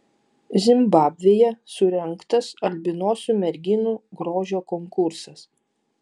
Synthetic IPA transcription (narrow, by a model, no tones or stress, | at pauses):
zʲɪmbɑːbʲʋʲeːjɛsʊɾʲɛŋˑkt̪ɐsɐlʲbʲɪnoːsʲuːmʲɛɾʲɡʲɪnuːɡɾoːʒʲoːkɔŋkʊɾsɐs